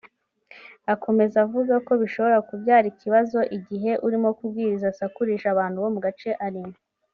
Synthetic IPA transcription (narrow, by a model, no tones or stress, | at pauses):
akʰo̞me̞zavuɡako̞βiʃo̞βo̞ɾakubjaːɾicʰiβazo̞ʔiɟiɦe̞ʔuɾimo̞kubɡiːɾizasakuɾiʃaβaːn̥huβo̞muɡat͡ʃe̞ʔaɾimo